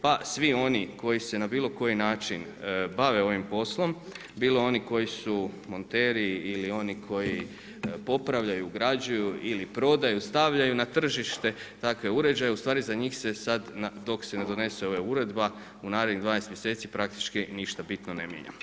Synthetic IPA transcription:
pasʋio̞niko̞jise̞nabiːlˠo̞ko̞jinaːt͡ʃin | baʋe̞o̞ʋimpo̞slˠo̞m | biːloo̞niko̞jisumo̞nt̪e̞ːɾiːlio̞nikʰo̞ji | po̞pɾaʋʎajuɡɾad͡ʑujuilipɾo̞d̪ajust̪aʋʎajunat̪r̩ʒiʃt̪e̞t̪akʋe̞uɾe̞d͡ʑajeust̪ʋaːɾizaɲixse̞sad̪naːo̞kse̞ne̞d̪o̞ne̞se̞o̞ʋeuɾe̞d̪ba | unaːɾed̪nid̪ʋaːnest̪mjese̞ːt̪sipɾakt̪i̥t͡ʃkiniʃt̪abit̪nonemjḛɲa̰m

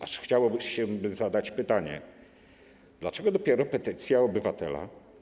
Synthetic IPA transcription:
aʂxt͡ɕawɔbɘɕɛbɘzad̪at͡ɕpɘt̪aɲɛ̰ | d̪̥lat͡ʂɛɡɔd̪ɔpʲjɛɾɔpɛt̪ɘt̪sʲjaɔbɘvat̪ɛ̰la̰

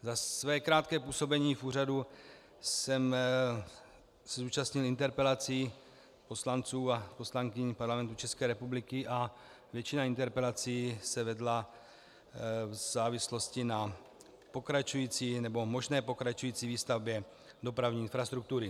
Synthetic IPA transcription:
zasvɛːkɾaːt̪̚kɛːpuːso̞bɛɲiːfuːradu | sɛm | sɛzuːt͡ʃast̪ɲɪlɪnt̪ɛɾpɛlat͡siː | po̞slant͡suːapo̞slaŋkɪɲpaɾlamɛnt̪ut͡ʃɛskɛːɾɛpublɪkɪʔa | vjɛt͡ʃɪnaint̪ɛɾpɛlat͡siːsɛvɛdla | vzaːvɪslo̞scɪna | po̞kɾat͡ʃujiːt͡siːnɛbo̞mo̞ʒnɛːpo̞kɾat͡ʃujiːt͡siːviːst̪avbjɛ | do̞pɾavɲiːɪnfɾast̪ɾuk̚t̪uɾɪ

